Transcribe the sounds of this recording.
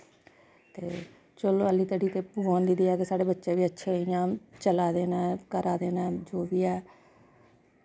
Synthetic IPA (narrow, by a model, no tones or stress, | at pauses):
t̪ḛː | t͡ʃəloːəliːt̪əɖiːt̪eːpuʋaːnd̪iːd̪iːɛːkesaːɽeːbətːʃeːʋiːətːʃʰeːɪjãːt͡ʃəlaːd̪eːnɛːkəɾʔaːd̪eːnɛːd͡ʒoːʋiːɛː